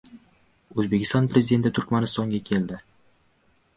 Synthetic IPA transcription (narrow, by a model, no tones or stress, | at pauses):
ɵzbe̞kʲɪst̪ɒnpɾe̞zɪd̪e̞nt̪ɪt̪ʰʊɾkʲmanɪst̪ɒŋɡʲakʲʰe̞ld̪ɪ